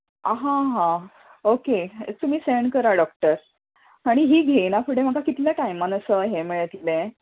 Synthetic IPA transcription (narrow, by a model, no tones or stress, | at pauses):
ɦãɦã | oket̪um̤iːseɳkəɾaɖɔk̚ʈəɾ | aɽ̃iɦiːɡʱejnapʰuɽem̤aəkakit̪ljaʈaimːanəsəɦemiɭət̪id̪ẽ